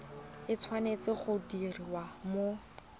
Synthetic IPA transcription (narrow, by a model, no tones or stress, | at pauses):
ɪt͡sʰwanet͡sɪχʊdiriwamo